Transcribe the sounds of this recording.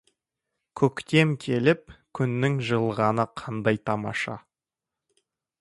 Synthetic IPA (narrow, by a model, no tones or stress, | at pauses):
kʲʰɵkt̪e̞mkʲʰe̞lɪp̚kʲʰʏnːɪŋʒəlˠʁɑnəqʰɑnd̪ɑjt̪ʰɑmɑ̰ʃɑ̰